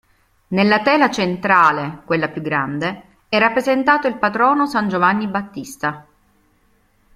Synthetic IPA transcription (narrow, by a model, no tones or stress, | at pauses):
nelːat̪ɛːlat͡ʃent̪ɾaːlekwelːapjuɡɾand̪e | ɛrːapːɾezent̪aːt̪oilpat̪ɾɔːnosand͡ʒovanːibat̪ːist̪a